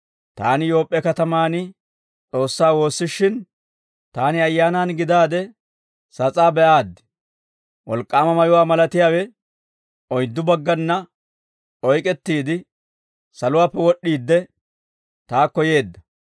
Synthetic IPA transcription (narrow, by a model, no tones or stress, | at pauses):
t̪aːnɪjo̞ːpʼːɛkɐt̪ɐmaːnɪ | t͡sʼo̞ːsːaːwo̞ːsːɪʃːɪn | t̪aːnɪɐjːaːnaːnɡɪd̪aːd̪ɛ | sɐt͡sʼaːbɛʔaːd̪ːɪ̥ | wɔlkʼːaːmɐmɐjʊwaːmɐlɐt̪ɪjaːwɛ | ɔjd̪ːʊbɐɡːɐnːɐ | ɔjkʼɛt̪ːiːd̪ɪ | sɐlʊwaːpːɛwɔɗːiːd̪ːɛ | t̪aːkːɔje̞ːd̪ːɐ